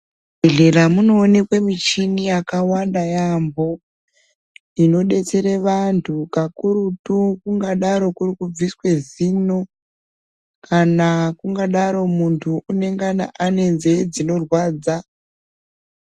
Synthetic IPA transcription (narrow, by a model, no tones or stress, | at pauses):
bʱeɮe̞ramuno̞ːne̞kwemit͡ʃinijakawandajambo̞ | ino̞ɗe̞t͡se̞ɾeʋantʰukakuɾutukuŋɡaɗaɾo̞kurikub͡viswe̞zino̞ | kʰanakuŋɡaɗaɾo̞muntʰuʔːne̞ŋɡana̰ʔane̞nzed͡zino̞rwaːd͡za